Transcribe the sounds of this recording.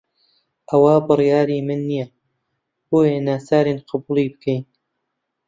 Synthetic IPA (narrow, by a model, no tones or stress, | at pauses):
ʔɐwabɨrjaːɾiːmɨnːija | b̥oːjanaːsaːɾeːnqʰɨbuːlˠibɨkʰɛjn